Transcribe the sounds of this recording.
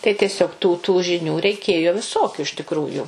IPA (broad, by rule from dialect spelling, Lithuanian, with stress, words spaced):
tɐɪ tʲiɛˈsʲoːk tuː tuː ʒʲɪˈnʲuː rʲɛɪˈkʲeːjoː ʋʲɪˈsoːkʲʊ ɪʃ tʲɪkˈruːjuː